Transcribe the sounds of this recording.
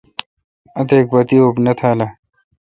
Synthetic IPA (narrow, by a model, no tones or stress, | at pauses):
ɐt̪eːk̚bɐt̪iobnɐt̪ʰaːla